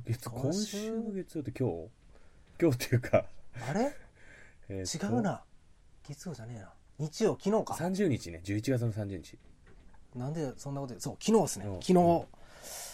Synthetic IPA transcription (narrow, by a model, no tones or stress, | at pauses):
ɡet͡skʰõɕɨːoɡe̞t͡sɨjot̪ːekʲoː | kʲo̞ːt̪ːejɯ̟ːkʰaaɾe̞ | eːt͡ɕiɡaɯ̟na | ɡ̥e̞t͡sɨjo̞d͡ʑane̞ːnaɲ̟it͡ɕijo̞ːkʲino̞ːkasãɲ̟d͡ʑɨːɲ̟it͡ɕined͡ʑɨːit͡ɕiɡat͡sɨno̞sãɲ̟d͡ʑɨːɲ̟it͡ɕi̥ | nãnd̪esonːako̞t̪od̪esoːkʲino̞ːd̪esɨneokʲʰinoː